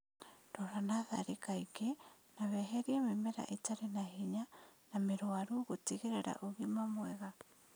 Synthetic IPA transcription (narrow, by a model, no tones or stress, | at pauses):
dɔɾanaða̰ɾekaike | naβɛɦɛɾiɛmemɛɾa̰ʔetaɾenahiɲanameɾwaɾuɣotiɣeɾeɾa̰ʔoɣimamwɛɣa